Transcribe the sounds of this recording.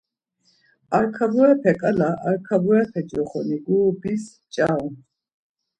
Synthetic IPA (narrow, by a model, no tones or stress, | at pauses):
aɾkʰabɔɛpʰɛkʼalaʔaɾkʰabɔɛpʰɛd͡ʒɔχɔ̰niɡuːbis | t͡ʃʼaw